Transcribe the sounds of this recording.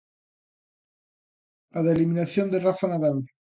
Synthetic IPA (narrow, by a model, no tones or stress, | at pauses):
aðeliminaθjond̪erafanaðal